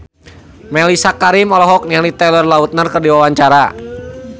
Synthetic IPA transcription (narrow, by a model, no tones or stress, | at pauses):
mɛlisakaɾɪmɔlɔɦɔk̚nialit̪ɛlərlaut̪̚nərkərdiwawaɲt͡ʃaɾa